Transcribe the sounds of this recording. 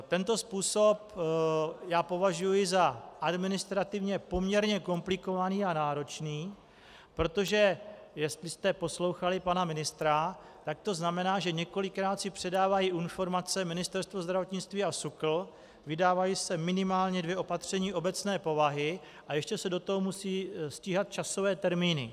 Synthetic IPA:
t̪ɛnt̪o̞spuːso̞p | jaːpo̞vaʒujɪzaʔadmɪnɪst̪ɾat̪ɪvɲɛpo̞mɲɛɾɲɛko̞mplɪko̞vaniːanaːɾo̞t͡ʃniː | pɾo̞t̪o̞ʒɛ | jɛst̪lɪst̪ɛpo̞slo̞wxalɪpanamɪnɪst̪ɾa | t̪ak̚t̪o̞znamɛnaːʒɛɲɛko̞lɪkɾaːt̪sɪpr̝̥ɛdaːvajiʔɪnfo̞ɾmat͡sɛmɪnɪst̪ɛɾst̪vozd̪ɾavo̞t̪ɲɪt͡st̪viːasukl̩ | vɪdaːvajiːsɛmɪnɪmaːlɲɛdvjɛʔo̞pat̪r̝̥ɛɲiːʔo̞bɛt͡snɛːpo̞vaɦɪ | ʔajɛʃcɛsɛdo̞t̪oɦomusiːsciːɦat̪̚t͡ʃaso̞vɛːt̪ɛɾmiːnɪ̰

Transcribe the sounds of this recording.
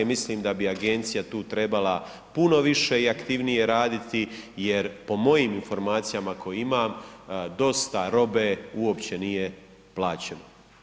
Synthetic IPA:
misliːmd̪abiaɡe̞nt̪sijat̪uːt̪ɾe̞bala | puno̞ʋiʃe̞iakt̪iʋnije̞ɾaːd̪it̪ije̞ɾpo̞mo̞jiːminfo̞ɾmaːt̪sijamakʰo̞juimaːmd̪o̞st̪aɾo̞be̞uo̞pt͡ɕe̞nije̞ | plˠaːt͡ɕeno

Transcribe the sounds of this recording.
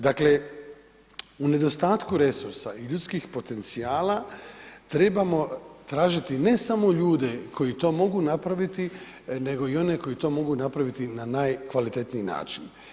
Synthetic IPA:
d̪akle̞ | une̞d̪o̞st̪aːt̪kuɾe̞suɾsa̰iʎut̪skixpo̞t̪e̞nt̪siaːlat̪ɾe̞bamo̞t̪ɾaːʒit̪ine̞samo̞ʎuːd̪e̞ko̞jit̪o̞ːmo̞ɡunapɾaʋit̪i | ne̞ɡo̞io̞ne̞ko̞jit̪o̞mo̞ɡunapɾaʋit̪inanajkʋalit̪e̞t̪niːna̰ːt͡ʃin

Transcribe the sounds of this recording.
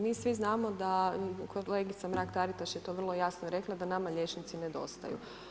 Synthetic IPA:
miːsʋiznaːmod̪akʰoleɡit̪samɾakt̪aɾit̪aʃjet̪o̞ːʋr̩lˠo̞jasnoɾe̞klˠad̪anamaʎʲe̞t͡ʃnit̪sined̪o̞̰st̪a̰jṵ

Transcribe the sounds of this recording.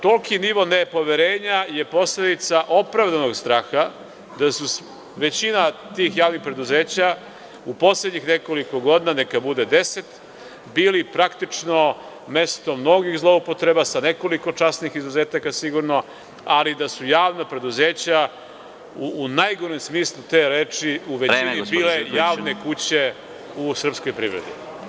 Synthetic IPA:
t̪olkiniʋonepo̞ʋeɾeːɲaje̞po̞sle̞d̪it̪saʔo̞pɾavd̪ano̞ɡst̪ɾaːxa | d̪asus | ʋe̞t͡ɕinat̪ixjaːʋnixpɾe̞d̪uzeːt͡ɕa | upo̞sled̪ɲixne̞ko̞liko̞ɡo̞d̪inanekabud̪e̞d̪e̞se̞t̪ | biːlipɾakt̪it͡ʂno̞ | me̞st̪o̞mno̞ɡixzlˠoupo̞t̪ɾe̞basane̞ko̞liko̞t͡ʃasnixizuze̞ːt̪akasiɡuɾno | alid̪asujaːʋnapɾe̞d̪uzeːt͡ɕa | uːnajɡoɾimsmiːslˠut̪eɾeːt͡ʂiuʋeinibiːlejaːʋne̞kut͡ɕe̞ | usr̩pskojpɾḭːʋɾed̪ḭ

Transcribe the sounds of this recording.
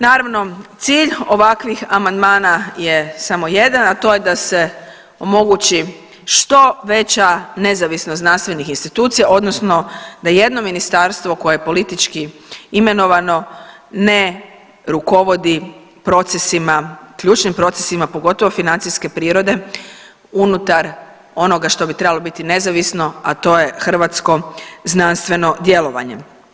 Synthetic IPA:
naːɾaʋno̞t̪siːʎo̞ʋakʋixamand̪maːnaje̞samo̞je̞d̪anat̪o̞ːje̞d̪ase̞ | o̞mo̞ɡut͡ʃi | ʃt̪o̞ʋe̞t͡ɕane̞zaʋisnosnanst̪ʋe̞nixinst̪it̪uːt̪sijaʔo̞d̪nosno̞d̪aje̞d̪no̞minist̪aɾst̪ʋoko̞jeepo̞lit̪it͡ʃkiime̞no̞ʋano̞ | ne̞ | ɾuko̞ʋo̞d̪i | pɾo̞t̪sesimakʎʲuːt͡ʃnimpɾo̞t̪sesimapo̞ɡo̞t̪o̞ʋofinant̪siske̞pɾiːɾo̞d̪e̞ | unut̪aɾ | o̞no̞ɡaʃt̪o̞bit̪ɾe̞balo̞bit̪ine̞zaʋisno̞at̪o̞je̞xr̩ʋat̪sko̞znanst̪ʋe̞no̞d̪je̞lo̞ʋa̰ɲe̞̰

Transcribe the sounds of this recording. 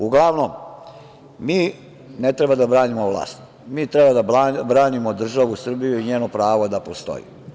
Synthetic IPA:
uɡlaʋnom | miː | net̪ɾebad̪abɾaːnimoʋlˠa̰ːst̪ | miːt̪ɾebad̪abɾaːnimo̞d̪r̩ʒaʋusr̩bijuiɲeːnopɾaːʋod̪apost̪o̞̰jḭ

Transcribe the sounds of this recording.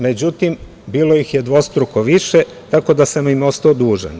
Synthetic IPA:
me̞d͡ʑut̪im | biːlo̞jixjed̪ʋo̞st̪ɾukoʋiʃe | t̪ako̞d̪asamimo̞st̪aod̪uːʒḛn

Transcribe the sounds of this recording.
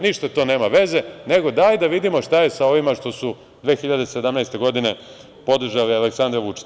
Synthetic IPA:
niʃt̪at̪o̞ːne̞ːmaʋe̞ze̞ne̞ɡo̞d̪ajd̪aʋid̪imo̞ʃt̪aje̞sao̞ʋimaʃt̪o̞su | d̪ʋe̞ːxiʎad̪e̞se̞d̪amnajst̪e̞ɡo̞d̪ine̞ | po̞d̪r̩ʒalialeksand̪ɾaʋut͡ʃi̥

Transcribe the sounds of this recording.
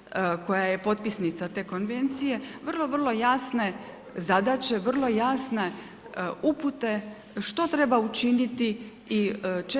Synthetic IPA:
ko̞jaje̞po̞t̪̚pisnit̪sat̪e̞ːko̞nʋe̞nt̪sije̞ʋr̩lˠo̞ʋr̩lˠo̞jaːsne̞ | zad̪at͡ɕe̞ʋr̩lˠo̞jaːsne̞ | uput̪e̞ | ʃt̪o̞t̪ɾe̞baut͡ʃinit̪i | it͡ʃ

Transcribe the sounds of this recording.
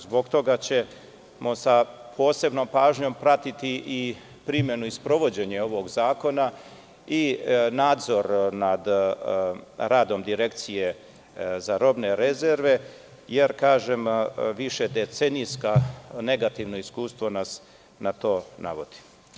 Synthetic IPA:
zbo̞ɡt̪o̞ɡat͡ɕe̞ | mosapʰo̞ːse̞bno̞mpaːʒɲo̞mpɾat̪it̪iʔi | pɾimje̞nuispɾo̞ʋo̞d͡ʑe̞ɲeo̞ʋo̞ɡzaːko̞na | inaːd̪zo̞ɾnad̪ | ɾaːd̪o̞md̪iɾe̞kt̪sije̞ | zaɾo̞bne̞ɾe̞ze̞ɾʋe̞ | je̞ɾkaːʒemʋiʃe̞d̪et̪se̞nijskane̞ɡat̪iʋno̞iskuːst̪ʋo̞nas | nat̪o̞ːna̰ʋo̞̰d̪̥i̥

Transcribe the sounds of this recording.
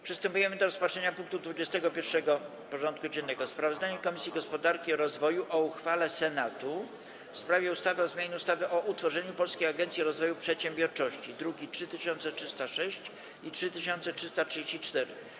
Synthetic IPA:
pʂɨst̪ɛmpujɛmɘd̪ɔɾɔspatʂɛɲapuŋk̚t̪ud̪vud͡ʑɛst̪ɛɡɔpʲjɛɾfʂɛɡɔ | pɔʐɔnt̪̚kud͡ʑɛnːɛɡɔspɾavɔzd̪aɲɛkɔmʲisʲjiɡɔspɔd̪aɾkʲiɔɾɔzvɔjuʔɔuxfalɛsɛnat̪u | fspɾavʲjɛust̪avɘɔzmʲjaɲɛust̪avɘʔɔʔut̪fɔʐɛɲupɔlskʲejaɡɛnt̪sʲiɾɔzvɔjupʂɛt̪ɕɛ̃mbʲjɔɾt͡ʂɔɕt͡ɕid̪ɾuɡʲitʂɘt̪ɘɕɔnt̪sɛtʂɘst̪aʂɛɕt͡ɕ | itʂɘt̪ɘɕɔnt̪sɛtʂɘst̪atʂɨd͡ʑeɕt͡ɕit͡ʂt̪ɛɾɘ̰

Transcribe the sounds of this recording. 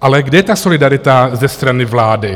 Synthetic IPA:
ʔalɛɡdɛjɛt̪asolɪdaɾɪt̪azɛst̪ɾanɪvlaːdɪ

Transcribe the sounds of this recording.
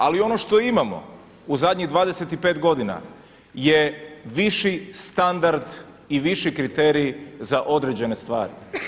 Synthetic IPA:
alio̞noʃt̪o̞imamo̞̰ | uzad̪ɲiɣd̪ʋaːd̪ese̞t̪ipet̪ɡo̞d̪ina̰ | je̞ʋiʃist̪and̪aɾd̪ | iʋiʃikɾit̪eːɾizaʔo̞d̪ɾe̞ːd͡ʑe̞ne̞st̪ʋa̰ːɾḭ

